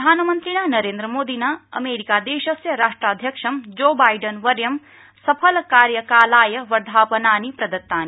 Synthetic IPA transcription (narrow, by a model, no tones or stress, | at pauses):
d̪ʱaːnɐmɐnt̪ɾiɽ̃anɐɾeːnd̪ɾɐmoːd̪inaɐ̰meːɾikaːd̪eːʃɐsjɐɾaːʂʈɾaːd̪ʱjɐkʂɐmd͡ʒoːbaːjɖɐnʋɐɾjɐm | sɐpʰɐlkaːɾjɐkaːlaːjɐʋɐɾd̪ʱaːpɐnaːnipɾɐd̪ɐt̪ːaːni